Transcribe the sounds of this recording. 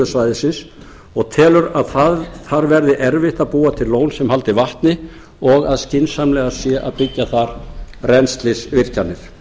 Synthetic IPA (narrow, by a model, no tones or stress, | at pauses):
ʏsvajðɪsɪns | ɔɣt̪ʰɛːlʏɾaðθaðθaɾvɛɾðɪʔɛɾvɪht̪aðpuːat̪ʰɪllːoːwnsɛmhalt̪ɪvaht̪nɪ | ɔɣaðscɪnsamlɛɣasjɛʔaðpɪcːaθaɾrɛnst̪lɪsvɪr̥canːɪɾ̥